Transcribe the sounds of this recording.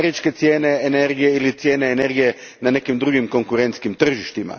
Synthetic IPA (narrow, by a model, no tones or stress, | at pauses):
ɾit͡ʃke̞t̪sjeːneeneɾɡijeilit̪sjeːneːne̞ɾɡije | nane̞kimd̪ɾuɡimko̞ŋkuɾent̪skimt̪r̩ʒiʃt̪ima̰